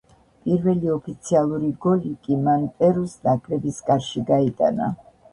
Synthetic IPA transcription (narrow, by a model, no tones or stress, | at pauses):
pʼiɾvɛliɔpʰit̪sʰialˠuɾiɡɔlikʼimant̪ʼɛɾusnakʼɾɛbiskʼaɾʃiɡait̪ʼa̰na̰